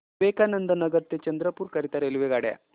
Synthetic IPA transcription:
ʋekanənd̪ənəɡəɾt̪et͡ɕənd̪ɾəpuːɾkəɾit̪aɾelʋeɡaɽja̰

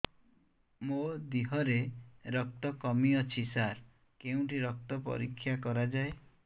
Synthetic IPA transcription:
mod̪iɦɔɾeɾɔk̚t̪ɔkɔmiɔt͡ʃʰisaɾ | keũʈiɾɔk̚t̪ɔpɔ̰ɾikʰːjakɔɾad͡ʒae

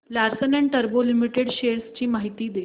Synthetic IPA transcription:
laɾsəneɳʈəɾbolimiʈeɽɕeɾst͡ɕiːmaɦit̪iːd̪e

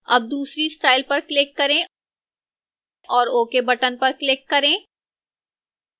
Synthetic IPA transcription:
ɐ̰b̚d̪uːsɾisʈaːɪlpɐɾklɪkːɐɾẽ | ʔɔːɾoːkebɐʈənpɐɾklɪkːɐɾẽː

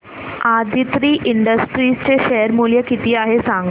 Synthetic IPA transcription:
ad̪ʱit̪ɾiːʔiɳɖəsʈɾiːst͡ɕeɕeəɾmuljəkit̪iːaɦesãŋɡ

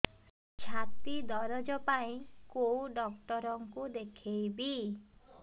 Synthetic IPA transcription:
t͡ʃʰat̪id̪ɔɾɔd͡ʒɔpaĩkowɖɔkʈɔɾɔŋkud̪ekʰejbi

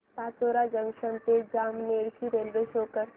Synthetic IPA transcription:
paːt͡ʃoːɾad͡ʒəŋɡʃənp̪eːd͡ʒaːmneːɾt͡ʃiɾelʋeʃɦoːkəɾ

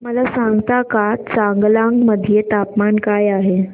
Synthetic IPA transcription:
məlasãŋɡt̪akat͡saŋɡlãŋɡməd̪ʱjet̪apmankajaɦe

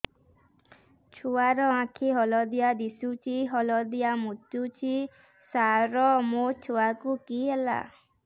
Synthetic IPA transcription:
t͡ʃʰuaɾɔãkʰiɦɔlɔd̪ijad̪isut͡ʃʰiɦɔlɔd̪ijamut̪ut͡ʃʰi | saɾɔmot͡ʃʰuakukiɦela̰

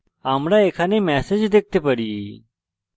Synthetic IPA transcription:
aːmɾaːeːkʰaːnẽːmɛːsed͡ʒd̪eːk̚ʰt̪eːpəɾiː

